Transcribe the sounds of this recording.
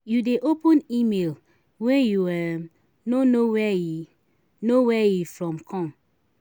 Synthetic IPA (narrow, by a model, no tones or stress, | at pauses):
judeʔopɔ̃nimel | wɛ̃juwɛ | nonowɛ | nowɛjufɹɔ̃mkʰɔ̃m